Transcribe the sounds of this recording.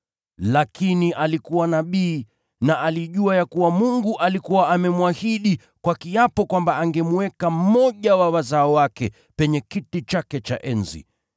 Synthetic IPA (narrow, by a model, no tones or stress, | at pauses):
lakiniʔalikuwanaɓiː | naʔaliʄuajakuwamuŋɡuʔalikuwaːmɛmwahiɗi | kwakiapɔkwambaaŋɡɛmuɛkam̩mɔʄawawazaɔwakɛ | pɛɲɛkitit͡ʃakɛt͡ʃa̰ʔɛnzḭ